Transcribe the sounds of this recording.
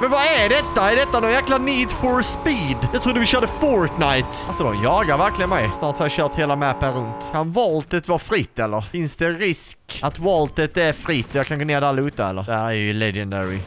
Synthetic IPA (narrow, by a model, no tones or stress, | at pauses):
mɛnvaæɖɛt̪ːaɛɖɛt̪ːanɔnjæːklaniːd̪fɔɾspiːd̪jɑːt̪ʰɾʊːd̪əvɪɕœːɖəfɔɾt̪naɪt̪alsɔd̪ɔmjɑːɡaɾvæɾklɪɡənmɛjsnɑːʈ̪hajaɕœːʈ̪heːlamæpːənɾɵnt̪kʰanvɔlt̪ət̪vɑɾfɾɪt̪ːɛlːəɾfɪnsd̪ɛɾɪskat̪vɔlt̪ət̪æɾfɾɪt̪ːɔjɑːkʰanɡoːneːɖ̪ɛalːaʉːt̪ːaɛ̰lːə̰ɾd̪æɾæɾjɵlɛd͡ʒɛnd̪ɛɾɪ̰